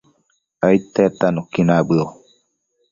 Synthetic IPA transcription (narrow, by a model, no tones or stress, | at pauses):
ajt̪et̪anokinabɯo